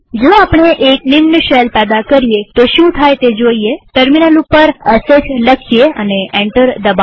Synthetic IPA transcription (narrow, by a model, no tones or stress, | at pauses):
d͡zoapɳ̃eʔeknimnəɕɛlpɛd̪akəɾjet̪oɕũt̪ʰajt̪ed͡zoijeʈəɾminalupəɾəset͡sləkʰːijea̰neʔɛ̃ɳʈəɾd̪əba